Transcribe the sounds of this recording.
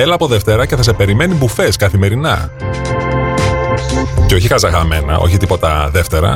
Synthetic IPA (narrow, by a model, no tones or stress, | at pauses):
elɐːpo̞ðe̞ft̪e̞ɾɐceθɐs̬e̞pe̞ɾime̞nibufe̞skɐθime̞ɾinɐ̰ | ceo̞çixɐzɐɣɐme̞nɐ̰ʔo̞̰çit̪ipo̞t̪ɐ̰ðe̞ft̪e̞ɾɐ̰